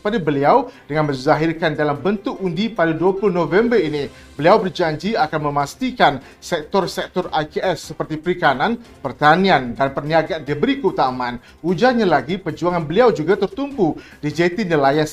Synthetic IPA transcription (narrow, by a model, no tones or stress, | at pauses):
padabəliawd̥əŋanmənzaɦirkandalambənt̪ʊk̚undipadaduapuluhnovɛmbərini | bəliawbərd͡ʒaɲd͡ʒiakanməmast̪ikan | sɛk̚t̪ɔrsɛk̚t̪ɔrajkeɛsːəpərt̪ipəɾikanan | pərt̪aniandanpərniaɡandəbəɾikəut̪amaan | ud͡ʒarɲalaɡipərd͡ʒuaŋanbəliawd͡ʒuɡat̪ərt̪umbudid͡ʒɛt̪inilajans